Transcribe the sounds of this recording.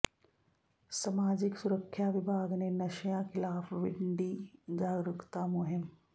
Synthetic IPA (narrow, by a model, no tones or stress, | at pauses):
sɐmaːd͡ʒɪksʊɾəkʰːjaːʋɪbʱaːɡnenɐʃjãːxɪlaːfʋɪɳɖiːd͡ʒaːɡɾʊkt̪amoɦɪm